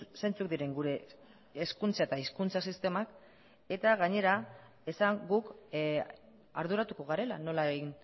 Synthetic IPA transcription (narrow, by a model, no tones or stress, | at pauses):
se̞nt͡suk̚d̪iɾe̞ŋɡuɾe̞ː | skunt͡saet̪aiskunt͡sasist̪e̞mak | e̞t̪aɣaɲe̞ɾa | e̞saŋɡuk | aɾðuɾat̪uko̞ɣ̞aɾe̞lano̞laeɣin